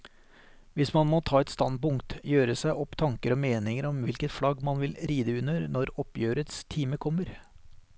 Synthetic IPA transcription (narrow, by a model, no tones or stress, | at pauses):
ʋɪsmɑnmoːt̪ʰɑːɛt̪st̪ɑn̚pʊŋkt̪jøːɾəsæɪʔɔpt̪ʰɑŋkəɾɔːmeːnɪŋəɾɔmʋɪlkət̪flɑɡmɑnʋɪlɾiːd̪əʉnəɾnɔɾɔpjøːɾət̪st̪ʰiːməkʰɔmːəɾ